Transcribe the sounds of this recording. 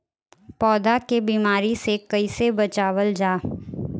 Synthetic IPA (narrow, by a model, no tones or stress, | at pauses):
pɔːd̪akebiːmaːɾisekɐisebɐt͡ʃaːwəld͡ʒaː